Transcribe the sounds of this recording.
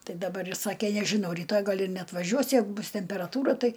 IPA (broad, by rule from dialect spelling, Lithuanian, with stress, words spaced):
ˈtɐɪ dɐˈbɐr ˈjɪs ˈsɑːkʲɛ nʲɛʒʲɪˈnɐʊ rʲiːˈtoːj ˈɡɐlˠ ɪr nʲɛɐtʋɐˈʒʲuɔs ˈjɛɪɡʊ ˈbʊs tʲɛmʲpʲɛrɐˈtuːrɐ ˈtɐɪ